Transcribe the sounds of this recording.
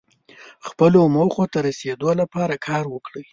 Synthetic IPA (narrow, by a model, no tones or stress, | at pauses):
xpəlomoxot̪aɾased̪olapɑɾakʰɑɾwəkɽə